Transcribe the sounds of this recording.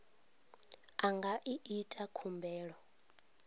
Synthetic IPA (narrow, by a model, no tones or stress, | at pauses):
aŋɡaʔiʔitʼakʰumbɛːɺɔ